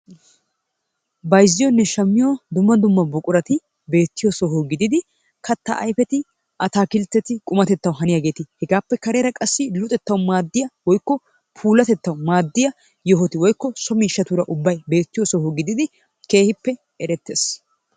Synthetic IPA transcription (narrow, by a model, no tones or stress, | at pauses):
bɐjzːɪjɔnːɛʃɐmːɪjoːd̪ʊmːɐd̪ʊmːɐbɔkʼʊɾɐt̪ɪ | be̞ːt̪ːɪjosɔɦoːɡɪd̪ɪd̪ɪ | kɐt̪ːɐʔɐ̰jfɛt̪ɪ | ʔɐt̪aːkɪlt̪ːɛt̪ɪkʼʊmɐt̪ɛt̪ːɐwɦɐnɪjaɡe̞ːt̪ɪhɛɡaːpːɛkɐɾe̞ːɾɐkʼɐsːɪlʊt̪ʼɛt̪ːɐwʊmaːd̪ːɪjɐwɔjkːɔ | pʰuːlɐt̪ɛt̪ːɐwʊmaːd̪ːɪjɐ | jɔɦɔt̪ɪwɔjkːɔsɔmiːʃːɐt̪uːɾɐʔʊbːɐjbe̞ːt̪ːɪjosɔɦoɡɪd̪ɪd̪ɪ | ke̞ːhɪpːɛ | ɛɾɛt̪ːe̞ːs